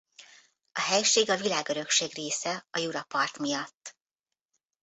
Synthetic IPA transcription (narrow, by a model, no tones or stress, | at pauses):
ɒɦɛjʃeːɡɒvilaːɡø̞ɾø̞kʃeːɡreːsɛɒjuɾɒpɒrt̪mijɒt̪ː